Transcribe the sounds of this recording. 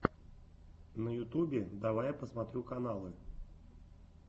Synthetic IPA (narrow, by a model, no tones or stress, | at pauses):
nəjʊt̪ubʲɪd̪avajpəsmat̪ɾʲukanalˠɨ